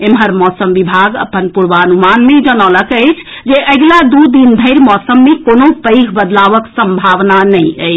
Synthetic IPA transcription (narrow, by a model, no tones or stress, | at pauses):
emɦəɾmɔsəmʋibʱaɡə̰pənpuɾʋaənumanmed͡ʒənələkəɪt͡ʃʰd͡ʒeʔəɡlad̪ud̪ind̪ʱəɪɾmɔsəmːekonopəjkʰbəd̪laʋəksəmbʱaʋnanəjəɪt͡ʃʰ